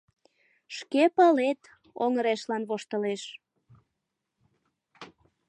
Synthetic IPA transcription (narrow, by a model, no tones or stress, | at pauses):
ʃkepɑlet̪ | oŋəɾeʃlɑnβoʃt̪əleʃ